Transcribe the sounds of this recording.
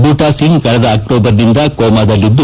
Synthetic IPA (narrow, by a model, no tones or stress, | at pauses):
buːʈaːsiŋɡkɐɭɛd̪ɐːk̚ʈoːbɐɾnind̪ɐkoːmaːd̪ɐlːid̪ːu